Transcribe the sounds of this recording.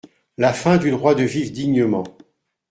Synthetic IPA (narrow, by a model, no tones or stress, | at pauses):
lafɛ̃d̪yd̪ʁwad̪əvivd̪iɲəmɑ̃